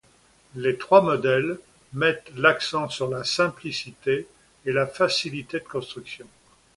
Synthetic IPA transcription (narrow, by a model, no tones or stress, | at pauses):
let̪χwamɔd̪ɛl | mɛt̪laksɑ̃syʁlasɛ̃plisit̪eː | lafasilit̪ed̪əkɔ̃st̪χyksjɔ̃